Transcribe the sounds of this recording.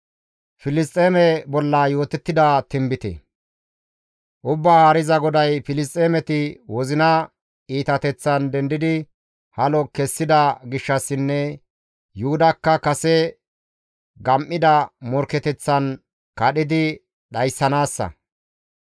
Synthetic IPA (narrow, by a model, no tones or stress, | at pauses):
fɪlɪs̬t̪ʼːeːmɛbɔlːɐjo̞ːt̪ɛt̪ːɪd̪ɐt̪ɪmbɪt̪ɛ̰ | ʔʊbːaːhɐɾɪzɐɡɔd̪ɐjfɪlɪs̬t̪ʼːeːmɛt̪ɪwɔzɪnɐ | iːt̪ɐt̪ɛt͡sːɐnd̪ɛnd̪ɪd̪ɪ | hɐlɔkɛsːɪd̪ɐɡɪʃːɐsːɪnːɛ | juʊd̪ɐkːɐkɐsɛ | ɡɐmʔɪd̪ɐmɔɾkɛt̪ɛt͡sːɐn | kɐɗɪd̪ɪ | ɗɐjsːɐnaːsːɐ̰